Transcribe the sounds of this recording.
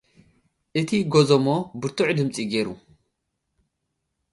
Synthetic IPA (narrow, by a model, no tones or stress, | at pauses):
ʔɨt̪ʰiɡozomobɨɾt̪ʰuħd̪ɨmt͡sʼiɡeɾu